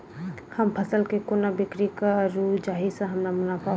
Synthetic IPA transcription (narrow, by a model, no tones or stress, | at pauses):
hɐmpʰɐsəlkekonabɪkɾikaɾud͡ʒaːɦisə̃ɦɐmnamʊnapʰa